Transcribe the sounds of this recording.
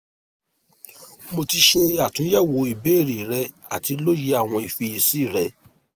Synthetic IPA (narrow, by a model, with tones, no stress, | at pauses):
mo˧ti˧ʃɛ˧a˨tũ˨˦jɛ˦˨wo˨˦i˨be˨˦e˦˨ɾi˨ɾɛ˧˦ | a˨ti˧lo˦ji˨˦a˦˨w̃ɔ̃˧i˨fi˧i˨si˦˨ɾɛ˨˦